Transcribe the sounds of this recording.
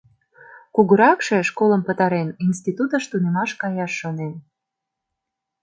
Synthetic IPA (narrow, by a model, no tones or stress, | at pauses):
kuɣəɾɑkʃe̽ʃkolə̆mpə̆t̪ɑɾeninst̪it̪ut̪ə̆ʃt̪unemɑʃkɑjɑʃːonen